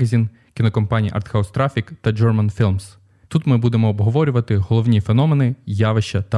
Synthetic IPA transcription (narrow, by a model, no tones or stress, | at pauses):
ɐzʲin | kʲɪnɔkɔmpɑnʲijʔɐ̰rt̪xɐɔst̪ɾafʲikt̪ɐd͡ʒɔrmɐnfʲilˠms | t̪ut̪mɪbud̪emɔːbɦɔʋɔɾʲʊʋɐt̪ɪɦɔlˠɔʋnʲifenɔmenɪjaʋeʃt͡ʃɐt̪ɐ